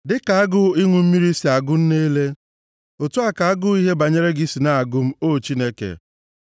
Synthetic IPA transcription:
dɪ˦ka˨a˦ɡʊ˦i˦ŋʷʊ˨m̩˦mi˦ɾi˦si˨a˨ɡʊ˦n̩˦ne˦le˦ | o˨tʊ˦a˦˨ka˨a˦ɡʊ˦i˦ɦe˦ba˨ɲe˦ɾe˦ɡi˦si˨na˦a˨ɡʊ˦m̩˦o˦˨t͡ʃi˦ne˦kḛ˨

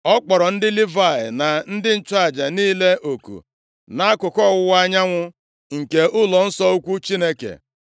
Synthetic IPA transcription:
ɔ˦k͡pɔ˨ɾɔ˨n̩˦dɪ˦li˦va˨ɪ̰˨na˨n̩˦dɪ˦n̩˦t͡ʃa˦˨d͡ʒa˨niː˦le˦ʔo˨kṵ˨ | na˦a˦kʊ˨kɔ˦˨wʊ˦wa˦ɲa˦ŋʷʊ˦ | ŋ̩˨ke˨ʔʊ˦lɔ˨n̩˦sɔ˦u˦kʷu˦t͡ʃi˦ne˦kḛ˨

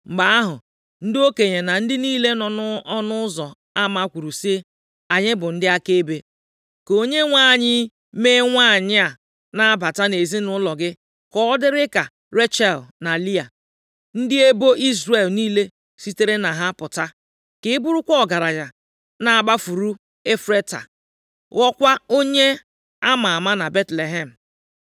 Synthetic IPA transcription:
ŋ͡m̩˨ɡ͡ba˨a˦ɦʊ˨ | n̩˦dɪ˦o˦ke˨ɲe˨na˨n̩˦dɪ˦niː˦le˦nɔ˨nʊ˦ɔ˦nʊ˦zɔ˨ | a˦ma˦kʷu˨ɾu˨si˦e˦ | a˨ɲɪ˦bʊ˨n̩˦dɪ˦a˦ke˦be˦ | ko˨ɲe˦ŋʷa˦˨ɲɪ˦ | me˦ŋʷa˦˨ɲɪ˦a˨ | na˨a˦ba˨ta˦ne˨zi˦nʊ˦lɔ˨ɡɪ˦ | kɔ˦dɪ˦ɾɪ˦ka˨ | ɾe˦t͡ʃɛ˦˨lna˨li˦a̰˨ | n̩˦dɪ˦e˦bo˦ʔi˦zɾe˨lniː˦le˦ | si˦te˦ɾe˦na˨ɦa˦pʊ˨ta˦ | kɪ˦ɪ˦bʊ˦ɾʊ˦kʷɔ˦˨ɡa˨ɾa˨ɲa˨ | na˨a˨ba˦fu˨ɾu˦ | e˦fɾe˦ta̰˨ | ɣɔ˦kʷa˦o˦ɲe˦ | a˦ma˨a˨ma˦na˨be˦tle˨ɦe˦˨m̩˨

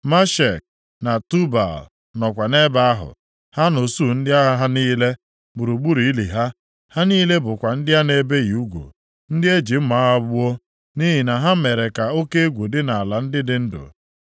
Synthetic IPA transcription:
ma˦ʃe˨k̚ | na˨tu˦ba̰˨l | nɔ˨kʷa˨ne˦ba˦a˦ɦʊ̰˨ | ha˦no˨su˦˨n̩˦dɪ˦a˦ɦa˦ɦa˦niː˦le˦ | ɡ͡bu˨ɾu˨ɡ͡bu˦ɾi˨i˦lḭ˨ɦa˦ | ha˦niː˦le˦bʊ˨kʷa˨n̩˦dɪ˦ɦa˦ne˦be˦ɣi˨u˦ɡʷo̰˨ | n̩˦dɪ˦e˦d͡ʒi˨m̩˦ma˦a˦bu˦o˦ | ni˦ɦi˨na˨ɦa˦me˨ɾe˨ka˨o˦ke˦e˦ɡʷo˨dɪ˦na˨a˨la˨n̩˦dɪ˦dɪ˦n̩˦dʊ̰˨

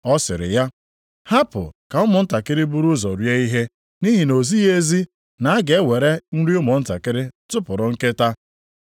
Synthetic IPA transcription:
ɔ˦sɪ̰˨ɾɪ̰˨ja˦ | ha˦pʊ̰˨ka˨ʊ˦mʊ˨n̩˦ta˨kɪ˦ɾɪ˦bu˦ɾʊ˦zɔ˨ɾje˦i˦ɦe˦ | ni˦ɦi˨no˨zi˦e˦zi˦ | na˨˦a˦ɡe˨˦wʷe˨ɾe˦n̩˦ɾi˦ʊ˦mʊ˨n̩˦ta˨kɪ˦ɾɪ˦tʊ˦pʊ˨ɾʊ˨ŋ̩˦ke˦ta˦

